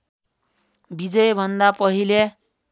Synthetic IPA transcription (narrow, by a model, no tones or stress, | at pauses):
bid͡zʌjbʱʌnd̪apʌɦile